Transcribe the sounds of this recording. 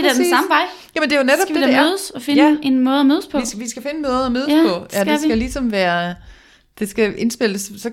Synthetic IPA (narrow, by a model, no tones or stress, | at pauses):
ed̥æɐ̥ensɑ̈məʋɑ̈ɪ̰ | jæmnd̥e̝joned̥ɒb̥æd̥ed̥æmøːð̞ˠsɒ̽fe̝ne̝nmɔ̽ːð̩ˠɒmøːð̞ˠspʰɒ̽ʋisɡ̥æfe̝nəmɔːð̩ˠɒmøːpʰɒ̽ædɡæesiɡ̥ælisɒ̽mʋæːɐ | d̥e̝sɡ̥æʔe̝nsb̥e̝l̰əssɒ̽